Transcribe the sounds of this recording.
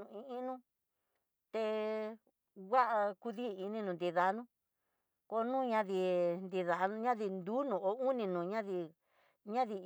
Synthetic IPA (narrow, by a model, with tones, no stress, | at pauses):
ũ˧ĩ˧ʔĩ˦˧nũ˦ | t̪e˧ | wa˦ʔa˧ku˧ði˦˧i˧nĩ˧nũ˨nd̪i˧ða˧˦nũ˦ | ko˧nũ˦˧ɲã˧ði˧˨nd̪i˧ða˧ñ˧˦ɲã˦ði˧nd̪uː˦nũ˨o˨˦u˦nĩ˧nũ˨ɲã˦ði˧ | ɲã˦ði˧